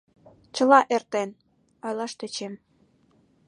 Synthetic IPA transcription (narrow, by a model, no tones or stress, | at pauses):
t͡ɕəlɑʔert̪en | ojlɑʃt̪et͡ɕem